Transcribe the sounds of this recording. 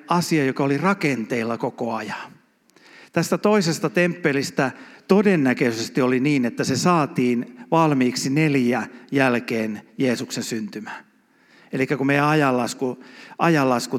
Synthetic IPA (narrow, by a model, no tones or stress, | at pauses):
ɑsiɑjokɑolirɑkent̪eilːɑkokoɑjɑ̥ | t̪æst̪æt̪oisest̪ɑt̪empːelist̪æt̪odenːækøysest̪ioliniːnet̪ːæsesɑːt̪iːnʋɑlmiːksineljæjælkeːnjeːsuksensynt̪ymæː | elikːækumeijæɑjɑlːɑskuʔɑjɑlːɑsku